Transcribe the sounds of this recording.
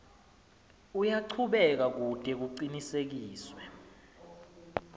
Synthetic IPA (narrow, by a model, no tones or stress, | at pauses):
ujaǃʰuɓɛk̬ak̬utʼɛk̬uǀinisek̬iːswɛ